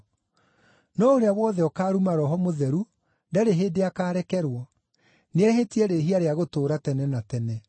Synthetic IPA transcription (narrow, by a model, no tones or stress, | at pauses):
nɔoɾeawɔðɛɔkaːɾumaɾɔɦɔmoðɛɾu | ndaɾeɦeːdeakaːɾɛkɛɾwɔ | neɛhetiɛɾeɦiaɾeaɣotoːɾatɛnɛnatɛnɛ